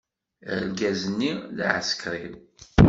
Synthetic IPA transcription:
ə̰lɡæzənːið̰ʕə̰skɾim

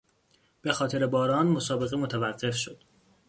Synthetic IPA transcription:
b̥e̞xɒːt̪ʰe̞ɾebɒːɾɒːnmo̞sɒːbe̞ɣemo̞t̪ʰævæɢːe̞fʃo̞d̪̥

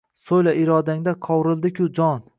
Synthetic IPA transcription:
sojlaɪɾɒd̪aŋd̪aqʰɒwɾɪlˠd̪ɪkʲʰʊd͡ʒɒn

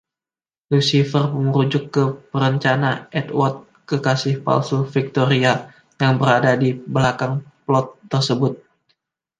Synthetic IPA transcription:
lusifərpəmuɾud͡ʒʊkːəpəɾəɲt͡ʃanaʔɛt̪wɔt̪̚ | kəkasɪhpa̰lsufik̚t̪oɾia | jaŋbəɾadadibəlakaŋplɔt̪ːərsəbʊt̪̚

